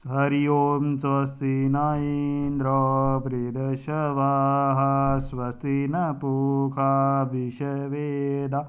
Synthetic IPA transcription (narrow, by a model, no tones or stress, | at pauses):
ɦɐɾijoːmsʋɐst̪inaːind̪ɾɔːpɾiɾɐʃɐʋaːɦɐsʋɐst̪inɐpukʰaːbiʃɐʋeːd̪aː